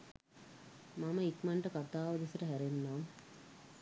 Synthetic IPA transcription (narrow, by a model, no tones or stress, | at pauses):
maməikmaɳʈəkat̪aːʋəd̪esəʈəɦæɾenːaːm